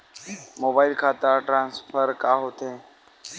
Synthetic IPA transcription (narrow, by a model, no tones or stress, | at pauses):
moːbaːɪlkʰaːt̪aʈɾãːnsfʰəɾkaːɦot̪ẽː